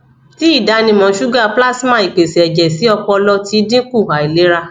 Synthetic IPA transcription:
ti˨˦i˦˨da˨˧nĩ˧mɔ̃˨˦ʃu˦ɡa˦˨pla˦smã˧i˨k͡pe˨si˨ɛ˨d͡ʒɛ˨si˨˦ɔ˧k͡pɔ˧lɔ˧ti˧˦dĩ˦ku˦˨ɦa˨i˨le˨˦ɾa˧

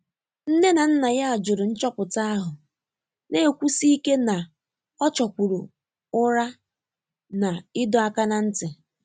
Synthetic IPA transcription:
n̩˦ne˦na˨n̩˦na˨ja˦a˨d͡ʒʊ˨ɾʊ˨n̩˦t͡ʃɔ˦pʊ˨ta˦a˦ɦʊ˨ | ne˦e˨kʷu˦si˦i˦ke˦na˨ | ɔ˦t͡ʃɔ˨kʷu˨ɾʊ̰˨ | ʊ˦ɾa˦ | na˨ɪ˦dɔ˨a˦ka˦na˦n̩˦tɪ˨

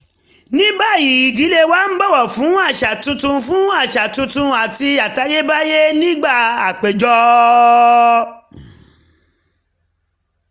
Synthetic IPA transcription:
nĩ˦ba˦˨ji˨˦i˨di˨˦le˦wa˦n̩˦ɡ͡bɔ˦˨wɔ˨fũ˨˦a˦˨ʃa˨tũ˧tũ˧fũ˦a˦˨ʃa˨tũ˧tũ˧a˨ti˧a˨ta˧je˦ba˦je˦nĩ˦ɡ͡ba˦˨a˨k͡pe˨d͡ʒɔ˧

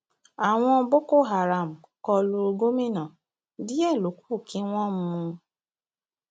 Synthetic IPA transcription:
a˨w̃ɔ̃˧bo˦ko˦˨ɦa˨ɾa˨m̩˨ | kɔ˧lu˧ɾo˧ɡo˦mĩ˦nã˨ | di˦ɛ˦˨lo˨˦ku̥˦˨kĩ˨˦w̃ɔ̃˦m̩˧mũ˧

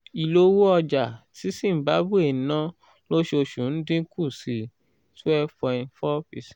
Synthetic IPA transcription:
i˨lo˦wu˦ɔ˧d͡ʒa˨ti˨˦si˦˨m̩˨ba˨˦bu˦e˨n˨˦nã˦ | lo˦ʃe˧o˧ʃũ˨n̩˦dĩ˦kʰu˦˨si˨ | tu˦ɛ˦fɔ˧ĩ˧˦fɔ˦fi˨s

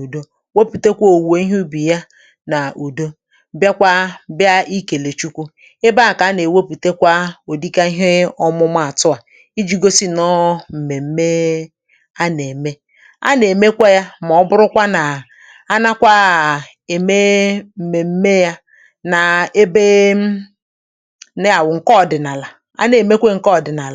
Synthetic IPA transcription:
u˨do˦ | wo˦pu˨te˦kʷo˨we˦i˦ɦu˦bi˨ja˦ | na˨u˨do˦ | bja˦kʷa˦bja˦i˦ke˨le˨t͡ʃu˦kʷu˦ | ɪ˦ba˦˨ka˨a˦ne˨wo˦pu˨te˦kʷa˦o˨di˦ka˦ɦɪ˦ɔ˦mʊ˦m˦a˦˨a˨tʊ˦a˨ | i˦d͡ʒi˦ɡo˦si˦nɔ˦m̩˨me˨m̩˦me˦ | a˦ne˨me˦ | a̰˦ne˨me˦kʷe˦ja˦m˨ɔ˨ɔ˦bʊ˦ɾʊ˦kʷa˦na˨ | a˦na˦kʷa˦˨ | e˨me˦m̩˨me˨m̩˦me˦ja˦ | na˨e˦be˦ | ne˦a˨wʊ˨ŋ̩˨kɔ˦˨dɪ˨na˨la˨ | a̰˦ne˨me˦kʷe˦ŋ̩˨kɔ˦˨dɪ˨na˨la˨

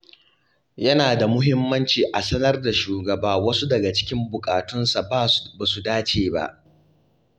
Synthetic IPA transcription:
jɐ˦naː˨da˨mʊ˦ɦɪ˦mːɐ˦nt͡ʃiː˨ʔa˨sɐ˦nɐ˦rda˨ʃuː˨ɡɐ˨baː˦wɐ˦su˦dɐ˨ɡa˨t͡ʃɪ̥˦kʲɪ˦mbʊ˨kʼaː˨tʊ˦nsa˨ba˦ba˨su˨daː˦t͡ʃeː˦ba̰˦ʔ

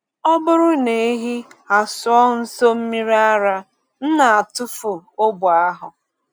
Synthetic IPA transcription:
ɔ˦bʊ˦ɾʊ˦ne˨e˦ɦi˦a˨sʊ˨ɔ˦n̩˦so˦m̩˦mi˦ɾi˦a˦ɾa˦ | n̩˦na˨a˨tʊ˦fʊ˨o˦bʊ˨a˦ɦʊ˨

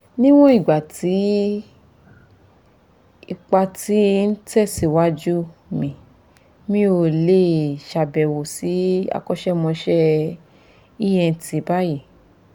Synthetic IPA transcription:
nĩ˦w̃ɔ̃˦i˦˨ɡ͡ba˨ti˨˦ | i˧k͡pa˧ti˨˦n̩˦tɛ˦˨si˧˨wa˦d͡ʒu˦mĩ˨ | mĩ˦o˧˨le˦˨ʃa˧bɛ˨wo˨si˨˦a̰˧kɔ˦ʃɛ˦mɔ̃˧ʃɛ˦ | i˦jɛ̃˧n̩˨tʰi˨˦ba˦ji˦˨

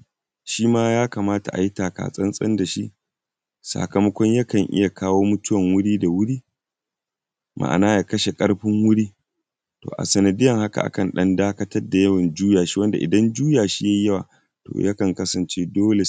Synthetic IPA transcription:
ʃiː˦maː˦jaː˦ka˨maː˦ta̰˨ʔa̰˨ji˦taː˨ka̰ː˨sʼɐ˦nsʼɐ̰˦nda˨ʃi˦ʔ | sa̰˨kɐ˨mɐ˦kʷɔ˦ɲjɐ˦kɐ˨ŋʔɪ˦ja˨kʰaː˦woː˦mʊ˦tʊ˦wɐ˨ŋwʊ˦ɽiː˦da˨wʊ˦ɽiː˦ | mʔa̰˨ʔa̰˨naː˦ja˨kɐ˦ʃe˨kʼɐ˦ɽɸɪ˦ŋwʊ˦ɽiː˦ | to̰ː˨ʔa̰˨sɐ˨nɐ˨dɪ˦jɐ˨ŋha˦ka̰˨ʔa̰˨kɐ˨nɗɐ˦ndaː˦kɐ˦tɐ˦rda˨jɐ˦wɐ˨nd͡ʒuː˦jaː˨ʃi̥˦wɐ˦nda˨ʔɪ̰˨dɐ˦nd͡ʒuː˦jaː˨ʃi˦ja˦jɐ˦waː˨ | to̰ː˨jʔa˦kɐ˨ŋkɐ˦sɐ˨nt͡ʃe˦doː˦le˨

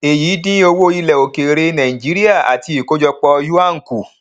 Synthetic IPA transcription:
e˨jiː˨˦dĩ˦o˧wo˦i˧lɛ˨o˨ke˨ɾe˧nã˨ĩ˨d͡ʒi˨˦ɾi˦a˦˨a̰˨ti˧i˨ko˦d͡ʒɔ˧k͡pɔ˧ju˦a˦˨ŋ̩˨ku˨

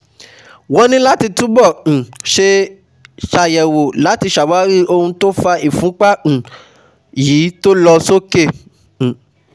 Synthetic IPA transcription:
wɔ˨˦nĩ˦la˦ti˧tũ˦bɔ̃˦˨ʃe˧ | ʃa˧jɛ˨wo˨la˨˦ti˧ʃa˨wa˨˦ɾi˦o˧hũ˧to˦fa˧i˨fũ˨˦k͡pã˦˨ | jiː˨˦to˦lɔ˧so˦ke˦˨

